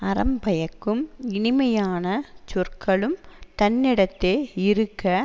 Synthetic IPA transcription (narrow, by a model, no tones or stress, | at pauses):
ɐɾɐmbɐjɐkːɯmɪɳɪmɐjaːnɐt͡ʃʊrkʰɐɭɯmt̪ɐnːɪɽɐt̪ːeːɪɾɯkːɐ